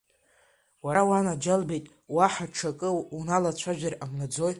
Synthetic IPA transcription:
waawanad͡ʒalbejtʼ | waħaʈ͡ʂʰakʼɨunalat͡ɕʷʰaʒᶣaramnad͡zoj

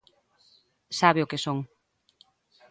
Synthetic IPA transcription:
saβeʊkesoŋ

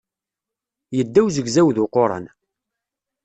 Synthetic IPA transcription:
jəd̪ːæwzəɡzæwðʊqoɾˤə̰n

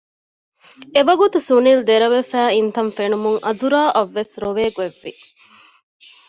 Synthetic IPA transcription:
eʋɐɡut̪usunild̪eɾɐʋefæːint̪ɐɱfenumuŋʔɐzuɾaːʔɐʋːesɾoʋeːɡeʋːi

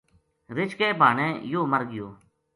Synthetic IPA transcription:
ɾɪt͡ʃkɛːbʱaːɳɛ̃ːjoːməɾɡɪjoː

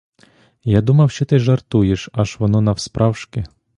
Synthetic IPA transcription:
jad̪umɐwʃt͡ʃɔt̪ɪʒɐrt̪ujeʃɑʒʋɔnɔnɐwspɾɑwʃkɪ

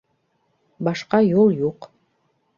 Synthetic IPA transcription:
bɑʃqɑjolˠjuq

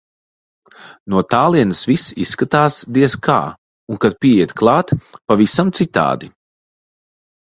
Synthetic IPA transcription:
nuɔt̪aːlˠiɛnɐsvisisːkat̪aːsd̪iɛskʰa̰ː | unkad̪̚piɛiɛt̪klˠɑːt̪pavisamt̪sit̪a̰ːd̪i

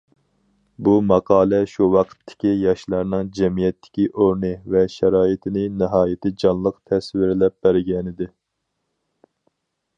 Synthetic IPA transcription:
bumɑqʰɑːlˠɛʃuwɑqʰə̥t̪ʰːɪ̥kʲijɑʃlˠɑɾnɨŋd͡ʒɛmijɛt̪ʰːɪ̥kʲiʔoɾnɨvɛʃɛɾɑːit̪ʰɪnɪnɨɦɑːjɪt̪ɪd͡ʒɑnlˠəqt̪ʰɛswɪɾɪlɛp̚b̥æɾɡʲɛnɪd̪ɪ

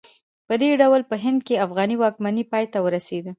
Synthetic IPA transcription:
pəd̪eɖawlpəɦɪnd̪keafɣɑniwɑkmanipɑjt̪awəɾased̪ə

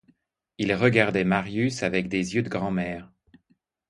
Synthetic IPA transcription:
ilʁəɡaʁd̪ɛmaʁjysavɛkd̪ezjød̪əɡʁɑ̃mɛːʁ

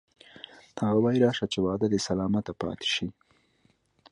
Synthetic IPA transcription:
haɣawɑjiɾɑːʃat͡ʃewɑːd̪ad̪esalɑːmat̪apɑ̰t̪ɪ̥ʃi

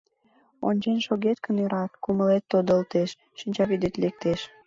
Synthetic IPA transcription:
o̰nʲt͡ɕenʃoɣet̪kənøɾɑt̪kuməlet̪ːod̪əlt̪eʃ | ʃinʲt͡ɕɑβid̪et̪lek̚t̪eʃ

